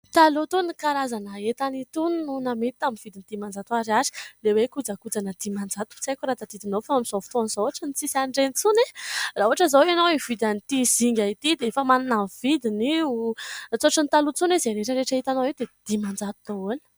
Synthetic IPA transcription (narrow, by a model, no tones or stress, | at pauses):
t̪alut̪unikaɾazanəet̪anit̪unnunamet̪i̥t̪aminv̥id̪inid̪̥imand͡zat̪uaɾiazi̥lewekud͡zəkud͡zanəd̪̥imand͡zat̪u̥t͡sajkʲuɾat̪ad̪id̪inofaamiz̥oft̪anzouaʈ͡ʂənit͡sisaɳɖ͡ʐent͡sunerauaʈ͡ʂəzawenowev̥id̪anit̪iz̥iŋɡʲait̪id̪eefəmananamv̥id̪iniut͡soaʈ͡ʂənit̪alut͡sunezeɾeʈ͡ʂəɾeʈ͡ʂəit̪anoewd̪ed̪̥imand͡zat̪unoon̥